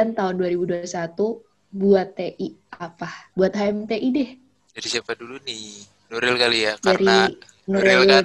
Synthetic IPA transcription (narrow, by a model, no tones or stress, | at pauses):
ant̪aɦʊnduaɾibuduaisat̪u | buat̪ːeʔiapahbuat̪̚ɦaɛmt̪eʔidɛh | daɾisiapadulunɪ | noɾɛlkalijakd͡ʒaɾia | noɾɛl